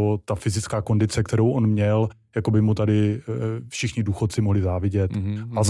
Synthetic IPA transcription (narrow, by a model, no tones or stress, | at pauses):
ot̪afɪzɪt͡skaːko̞ndɪt͡sɛk̚t̪ɛɾowʔonmɲɛl | jakobɪmut̪adɪfʃɪxɲɪduːxot̪̚t͡sɪmoɦlɪzaːvɪɟɛt̪ʔaz